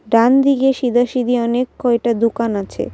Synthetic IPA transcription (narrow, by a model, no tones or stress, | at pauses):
ɖand̪iɡeʃid̪aʃid̪ʱiɔnekːɔek̚ʈad̪ukanat͡ɕʰḛ